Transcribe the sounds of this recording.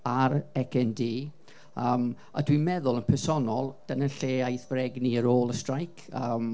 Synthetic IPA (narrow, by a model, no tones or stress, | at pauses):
aɾɛkʰɛndiː | əːm | a̰dwimɛðʊlˠənpʰɛsɔnɔlˠd̥anənɬeːajθvrɛɡniəɾoːlˠəstrajkʰəːm